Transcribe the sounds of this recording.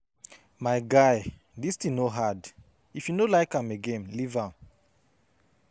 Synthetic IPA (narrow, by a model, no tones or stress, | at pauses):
maɪɡaɪ | distinoɦad | ifjunolaɪkãmeɡẽnlivãm